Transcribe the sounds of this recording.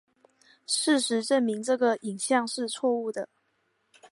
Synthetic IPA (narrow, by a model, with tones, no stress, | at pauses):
ʂɻ̩˥˩ʂɻ̩˧˥ʈ͡ʂə˥˩nmi˧˥ŋʈ͡ʂɤ˥˩ɡə˩i˨˩ŋɕjɑ˥˧ŋʂɻ̩˥˧t͡sʰwɔ˥˧u˥˩d̪ə˩